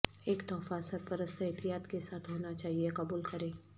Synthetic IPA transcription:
eːkt̪ɔːfasɐɾpɐɾəst̪ʰɦet̪ijaːt̪kesaːt̪ʰɦoːnat͡ʃaːɦiekɐbuːlkɐɾẽː

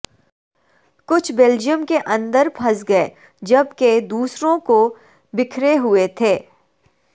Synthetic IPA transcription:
kʊt͡ʃʰbɛld͡ʒijəmkeʔɐ̃nd̪əɾpʰɐsɡɐe | d͡ʒɐbked̪uːsɾõko | bɪkʰɾeɦʊet̪ʰeː

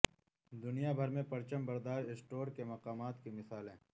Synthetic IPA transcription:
d̪ʊnijabʱɐɾmẽpɐɾt͡ʃəmbɐɾd̪aːʃɪsʈoːɾkemɐqaːmaːt̪kimɪsaːlɦɛ̃ː

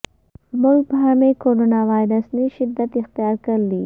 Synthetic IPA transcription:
mʊlk̚bəɦamekoɾonɑwɑjɾasniʃɪd̪at̪ɪxt̪ijɑɾkəld̪i

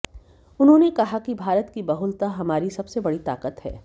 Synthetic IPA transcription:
ʊnɦõnekɐɦakibʱaːɾət̪kibɐɦʊlt̪aɦɐmaːɾisɐbsebɐɽit̪a̰ːkət̪ɦɛ̰ː

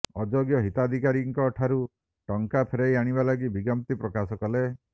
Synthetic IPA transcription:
ɔd͡ʒoɡjɔɦit̪ad̪ʱikaɾiŋkɔːʈʰaɾu | ʈɔŋkapʰeɾejaɽ̃ibalaɡibiɡɔmt̪ipɾɔkasɔkɔle

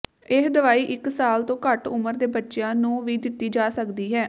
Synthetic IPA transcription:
ɪɦd̪əʋaːiːʔɪksaːlt̪õːkəʈʊməɾd̪eːbətːʃejãːnũːʋiːd̪ɪt̪ːiːd͡ʒaːsəkd̪iːɦɛː

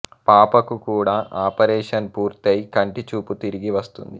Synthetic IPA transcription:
paːpɐkukuːɽaːʔaːpɐɾɛːʂɐnpuːɾt̪ɐjkɐɳʈit͡ʃuːput̪iɾiɡiʋɐst̪ṵnd̪i

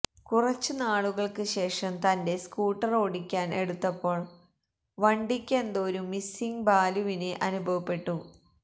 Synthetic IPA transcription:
kurɐt͡ɕːɨnaːɭuɣɐɭkɨɕe̞ːʂɐmt̪ɐnde̞skuːʈːɐro̞ːɽikʲːaːne̞̰ɽut̪ːɐpːo̞ːɭ | ʋɐɳɖikʲːend̪oːɾumisiŋbaːluʋineʔɐnubʱɐʋɐpːe̞ʈːu

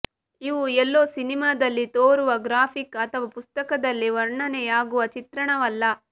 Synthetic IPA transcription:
iʋuɛlːoːsinimaːd̪ɐlːit̪oːɾuʋɐɡɾaːpʰikɐt̪ʰɐʋɐpust̪ɐkɐd̪ɐlːiʋɐɾɳɐnɛjaːɡuʋɐt͡ʃit̪ɾɐɳɐʋɐlːɐ

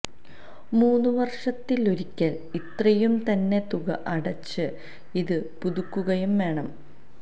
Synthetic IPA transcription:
muːnːuʋɐrʂɐt̪ːilo̞ɾikʲːɐl | it̪rɐjumt̪ɐnːe̞t̪uɣɐ̰ʔɐɽɐt͡ɕːɨ | iðɨpuðukːuɣɐjumʋe̞ːɳɐm

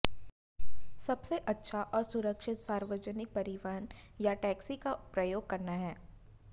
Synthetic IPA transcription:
sɐbseʔɐtːʃʰaʔɔːɾsʊɾəkʃɪt̪saːɾʋəd͡ʒənɪk̚pɐɾɪʋaːnjaʈɛːksikapɾɐjoːɡ̚kɐɾnaɦɛː

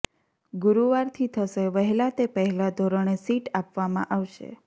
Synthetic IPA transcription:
ɡuɾuʋaɾt̪ʰit̪ʰəʃeʋəɦɛlat̪epəɦɛlad̪ʱoɾəɳesiʈapʋamã̰ʔaʋʃḛ

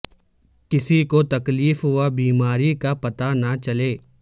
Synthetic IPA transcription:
kɪsikot̪ɐkliːfɦʊabiːmaːɾikapɐt̪anat͡ʃɐleː

